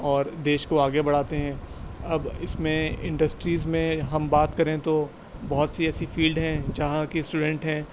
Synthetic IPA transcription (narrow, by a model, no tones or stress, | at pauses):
ɔːɾd̪eːʃkoaːɡebɐɽ̤aːt̪eɦɛ̃ː | ɐbɪsmẽɪ̰̃ɳɖəsʈɾiːzmẽɦɐmbaːt̪kɐɾẽt̪o | bɐɦʊt̪siɛːsifiːlɖɦɛ̃d͡ʒɐɦãkisʈuːɖɛ̃ɳʈɦɛ̃ː